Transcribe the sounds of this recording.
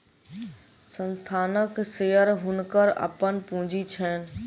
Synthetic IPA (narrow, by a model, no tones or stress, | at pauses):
sə̃nst̪ʰaːnəkseːəɾɦʊnkəɾə̰pənpũːd͡ʑit͡ʃʰɛːn